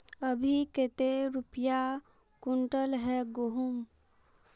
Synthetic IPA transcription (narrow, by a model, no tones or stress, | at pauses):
əbʱiket̪eɾʊpja | kʊɳʈəlɦɛɡoɦʊm